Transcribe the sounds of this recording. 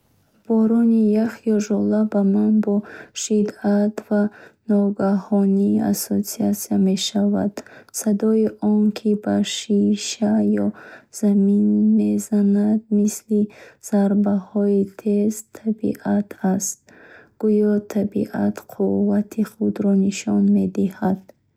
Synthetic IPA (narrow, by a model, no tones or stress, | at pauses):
b̥ɔɾɔnijaχijɔʒɔlabamanbɔʃid̪at̪vanɔɡahɔnia̰sosiat̪siame̞ʃava̰d̪̥sad̪ɔiʔɔnkʰibaʃiʃajɔz̥aminme̞zanad̪misliz̥aɾbahɔit̪ʰezt̪ʰabḭʔat̪ʰast̪̚ | ɡ̥ujɔt̪ʰabḭʔa̰t̪qʰuvːat̪ʰiχud̪ɾɔniʃɔnme̞d̪ihad̪̥